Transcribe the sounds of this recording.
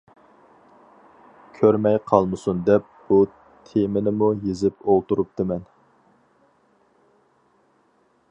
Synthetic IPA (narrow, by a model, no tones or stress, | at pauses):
kʲʰøɾmɛjqʰɑlˠmɨsund̪ɛp̚b̥u | t̪ʰemɪnɪmujezɪpolˠt̪uɾup̚t̪ɨmɛn